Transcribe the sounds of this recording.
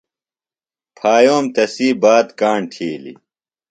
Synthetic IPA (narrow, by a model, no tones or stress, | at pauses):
pʰaːjoːmt̪ɐsiːbaːd̪kaːɳʈʰiːlḭ